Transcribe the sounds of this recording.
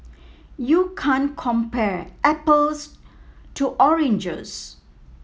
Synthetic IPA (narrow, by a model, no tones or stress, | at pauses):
jukʰãnkʰɔ̃mpɛɹʔɛpəlstuʔɔɹẽnd͡ʒə̰z